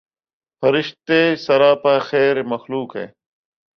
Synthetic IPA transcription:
fɐɾɪʃt̪eːsɐɾaːpaːxeːɾemɐxluːkɦḛː

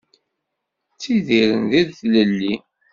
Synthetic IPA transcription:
t͡sːiðiɾə̰nðiðθləlːi

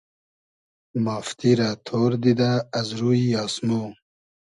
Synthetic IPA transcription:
maːft̪iɾat̪ʰoːɾd̪id̪aːzɾuijɑːsmu

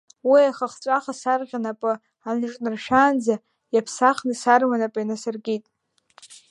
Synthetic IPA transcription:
wiaχaχt͡sʷʼaχasarʁʲanapʼɨ | anɨʈ͡ʂʼnɨrʃᶣaːnd͡za | japʰsaχnɨsarmanapʼajnasarɡʲitʼ

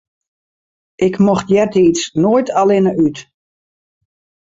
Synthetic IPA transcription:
ʔɪkmɔxtjɛrtəisnoːjtʰalɪnəyt

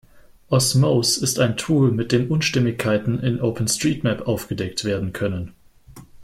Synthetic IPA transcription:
ʔɔsmoʊsɪstaɪntʰuːlmɪt̚d̥eːmʔʊnʃtɪmɪçkʰːaɪtn̩ʔɪnʔoʊpʰən̩stʁ̥iːtmɛpʔaʊfɡ̥ədɛk̚tv̥eːɐdn̩kʰœnən

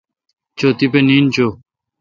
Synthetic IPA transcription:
t͡ɕoːt̪ipeniːnt͡ɕoː

